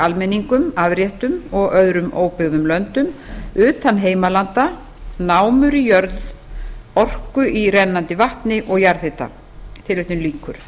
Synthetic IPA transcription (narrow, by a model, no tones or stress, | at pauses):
almɛnːiŋkʏmaðɾjɛht̪ʏmɔɣœðɾʏmoːwpɪɣðʏmlœnt̪ʏmʏːt̪anɦeːjmalant̪a | naːwmʏɾijœɾð | ɔr̥kʏʔiɾɛnːant̪ɪvaht̪nɪʔɔɣjaɾðɪht̪a̰ | t̪ʰɪlveht̪ʏmliːkʰʏɾ̥